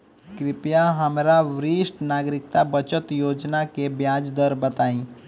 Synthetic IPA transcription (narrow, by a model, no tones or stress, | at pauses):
kɾɪpjaɦəmɾaʋɾiːsʈnaːɡɾɪk̚t̪abət͡ʃət̪joːd͡ʒnakebjad͡ʒd̪əɾbət̪aːĩː